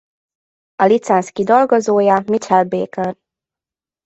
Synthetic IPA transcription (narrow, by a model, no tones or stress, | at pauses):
ɒlit̪sɛnskid̪olɡozoːjɒmit͡ʃɛlbeːkør